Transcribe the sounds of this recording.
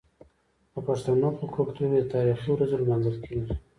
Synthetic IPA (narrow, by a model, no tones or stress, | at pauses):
əpaʂt̪anopəkʰokt̪uɾed̪ət̪ɑɾixiwɾazoləmanzalkʰelaɾi